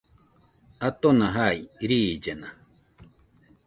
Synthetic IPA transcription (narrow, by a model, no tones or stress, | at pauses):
at̪onaɦaiɾid͡ʒena